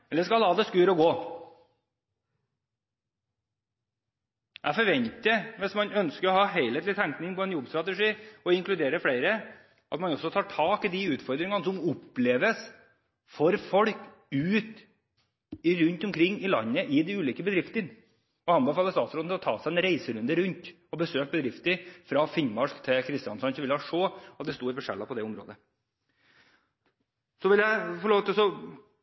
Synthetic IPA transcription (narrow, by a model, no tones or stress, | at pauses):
ɛlːəʂkɑlhɑːd̪ɛskʉːɾɔɡoː | ʔæfɔɾʋɛnt̪əʋɪsmɑnœnskəɾɔhɑːɦeɪlheːt̪lɪt̪ʰæŋknɪŋpɔɛnjɔbst̪ɾɑt̪ɛʂiːɔɪŋklʉd̪eːɾəfɽeɪɾə | ʔɑ̰t̪mɑnɔsːɔt̪ʰɑːʈʰɑːkɪd̪ɪʉːt̪fɔɾd̪ɾɪŋɑnsɔmʊpːleːʋəs | fɔɾfɔɽk | ʉːt̪ | ɪɾʉnt̪ʊmkʰɾɪŋːɪlɑ̰nːəʔɪd̪ɪʉːliːkəbəd̪ɾɪft̪ən | ɔhɑnbəfɑːlːəst̪ɑːt̪sɾoːd̪ʰɛɾɔt̪ʰɑ̰ːsæɪɛnɾæɪsəɾʉnd̪əɾʉnt̪ | ɔbəsøːk̚bəd̪ɾɪft̪əfɾɑfɪɲmɑʂkt̪ʰɪlkʰɾɪst̪ɪɑnsɔɑnsɔʋɪlːɑʂoːɑt̪̚d̪ɛst̪uːɾfɔʂɛ̰lːɑpʰɔd̪ɛʊmɾo̰ːd̪ə | sɔʋɪljæɪfɔɭoːt̪sɔ